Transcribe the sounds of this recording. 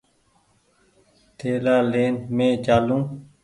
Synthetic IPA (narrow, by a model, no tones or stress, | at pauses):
t̪ʰeːlaːleːnmẽːd͡ʒaːlũː